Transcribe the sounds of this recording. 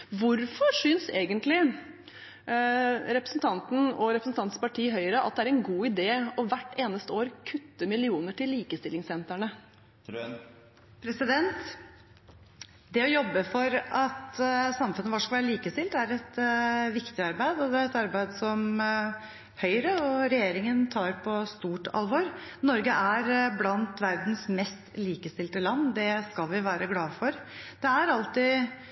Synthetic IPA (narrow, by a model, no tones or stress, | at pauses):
ʋʊɾfɔʂʏnseːɡənt̪lɪ | ɾɛpɾəsn̩t̪ʰɑnt̪n̩ɔɾɛpɾəsn̩t̪ʰɑnt̪spɑʈʰiːɦœʏɾəʔɑ̰t̪̚d̪ɛæɾɛnɡuːɪd̪eːɔʋæʈːeːnəst̪əoːɾkʰʉt̪ːəmɪlɪuːnəʈɪliːkəst̪ɪlːɪŋsɛnt̪æɳə | pʰɾɛsɪd̪ɛnt̪ | d̪ɛɔjɔbːəfɔɾɑt̪sɑmfʉnːəʋɑːʂkɑʋæːɾəliːkəst̪ɪlt̪æɾɛt̪ʋɪkt̪ɪɑɾbæɪd̪ɔd̪ɛɾɛt̪ɑɾbæɪd̪sɔm | hœʏɾəɔɾɛjeːɾɪŋənt̪ʰɑːɾpʰɔst̪uːʈʰɑ̰lʋoɾnɔɾɡəʔæɾblɑnt̪ʋæɾd̪n̩smɛst̪liːkəst̪ɪlt̪əlɑnːd̪ɛskɑlʋɪʋæːɾəɡlɑːfɔɾd̪̥ɛæɾɑlt̪ɪ